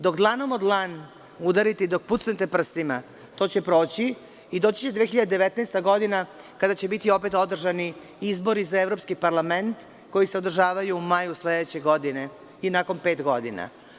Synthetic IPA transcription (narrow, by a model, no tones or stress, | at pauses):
d̪o̞kd̪lˠanomod̪lˠan | ud̪aɾit̪ed̪o̞k̚put̪snet̪e̞pr̩st̪ima | t̪o̞ːt͡ɕe̞pɾo̞ːt͡ɕi | id̪o̞ːt͡ɕi̥t͡ɕed̪ʋexiʎad̪ed̪eʋet̪nɛst̪aɡo̞d̪inakad̪at͡ɕebit̪io̞pet̪o̞d̪r̩ʒani | izbo̞ɾizaevɾo̞pskipaɾlament̪ | ko̞jiseod̪r̩ʒaːʋajuːmajusled̪et͡ɕe̞ɡo̞d̪ine̞ | inako̞npe̞ːt̪ɡo̞d̪ḭna̰